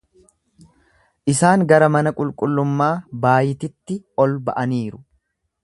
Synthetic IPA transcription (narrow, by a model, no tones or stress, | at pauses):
ʔɪsaːŋɡɐɾɐmɐnɐkʼʊlkʼʊlːʊmːaːbaːjɪt̪ɪt̪ːɪɔlbɐʔɐniːɾʊ̥